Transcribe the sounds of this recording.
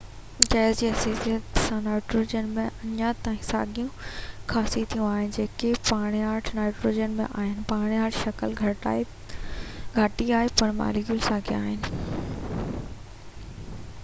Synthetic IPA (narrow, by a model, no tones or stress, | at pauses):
d͡ʑaːɪzd͡ʑiːɦɐseːsijət̪sãnaːɪʈɾoːd͡ʑənmẽɐɲjat̪aːĩsa̰ːɡijũkʰaːsit̪ʰijũaːɦɪnɪ̆d͡ʑeːkepaːɽ̃iaːɾʈʰnaːɪʈɾoːd͡ʑənmḛ̃ʔa̰ːɦɪnɪ̆paːɽ̃iaːɾʈʰʃɐkəlɡʱɐ | ɡʱɐʈiaːɦepɐɽ̃ma̰ːliɡjulsaːɡiaːɦɪnɪ